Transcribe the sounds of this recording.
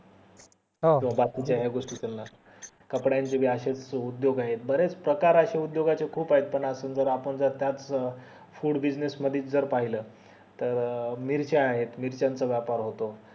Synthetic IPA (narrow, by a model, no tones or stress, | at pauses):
ɦoĩʋ̤̃abak̪it͡ɕaɦeɡoʂʈit̪ʰelna | kəpɽjaɲt͡ɕebʱiːəɕet͡sud̪joɡaɦet̪̚bəɾet͡spɾəkaɾəɕeud̪joɡat͡sekʰuːpaɦet̪̚pəɳəsəːnd͡zəɾapəɳd͡zəɾt̪jat͡s | fuːɽbid͡znesməd̪ʱiːt͡sd͡zəɾpaɦiləː | t̪əɾmiɾt͡ɕeaɦet̪miɾt͡ɕant͡səʋjapaɾɦot̪o